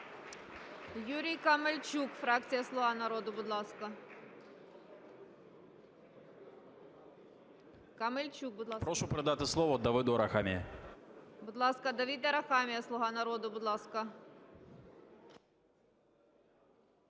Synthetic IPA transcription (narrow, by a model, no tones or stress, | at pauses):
juɾʲijkɐmelʲt͡ʃukfɾɑkt͡sʲijɐslˠʊɦɑnɐɾɔd̪ʊbʊd̪lˠɑskɐ | kɐmelʲt͡ʃuk̚bʊd̪ˠpɾɔʃʊpɾɐd̪at̪ɪslˠɔʋɔd̪ɐʋɨd̪ɔɾɐxamʲɪjɛ | bʊd̪lˠɑskɐd̪ɐʋʲid̪ɐɾɐxɑmʲijɐslˠʊɦɑnɐɾɔd̪ʊbʊd̪lˠɑskɐ